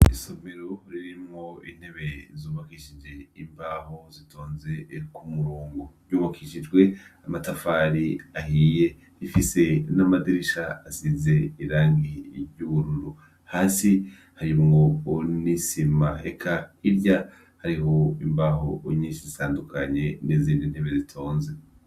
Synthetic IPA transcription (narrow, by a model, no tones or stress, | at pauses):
iso̞me̞ɾoɾiɾimŋo̞ḭn̥he̞βe̞zoːβakiʃid͡ʒe̞imbaːho̞zitʰoːnze̞kumuɾuːŋɡuɾjuːβakʰiʃid͡ʒɡwe̞amatafaɾiahiːje̞ | ɾifise̞namadiɾiʃaːsize̞iɾaːŋɡiɾjuβuɾuɾu | haːsi | haɾimŋoːnisimahe̞kʰaiɾja | haɾiho̞imbaːho̞ɲiːnʃizitaːndukʰaɲe̞neziːndin̥heβezitʰoːnze̞